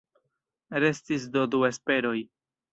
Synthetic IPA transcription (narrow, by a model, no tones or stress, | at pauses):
ɾe̞stis̬do̞due̞spe̞ɾo̞j